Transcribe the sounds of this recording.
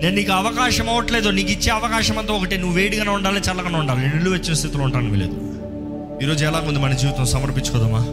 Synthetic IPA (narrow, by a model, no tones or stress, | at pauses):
ne̞ːnniːkuɐʋɐkaːʃɐmɐʋɐʈleːd̪uniːk̬it͡ʃːe̞ːɐʋɐkaːʃɐmɐnt̪ɐːɔkɐʈinuʋuʋeːɽiɡɐneuɳɖaːlit͡ʃaːlɐɡɐneuɳɖaːlininːilːuʋɐt͡ʃːinɐst̪ʰit̪ulouɳʈaːɾniʋḭlḛːd̪u | iːɾo̞ːd͡ʒuɛlaːkmund̪umɐnɐd͡ʒiːʋit̪ɐmsɐmɐɾpint͡ʃukɔːd̪amaː